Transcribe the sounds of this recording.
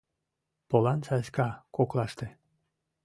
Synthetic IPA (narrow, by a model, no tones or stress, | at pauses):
polɑnsɑskɑkoklɑʃt̪ĕ